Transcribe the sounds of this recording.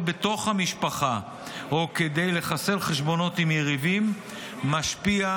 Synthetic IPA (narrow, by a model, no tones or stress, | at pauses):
be̞t̪o̞χhamiʃpaχa | oked̪e̞jle̞χase̞lχeʃbo̞no̞t̪imjeʁivimː | aʃpia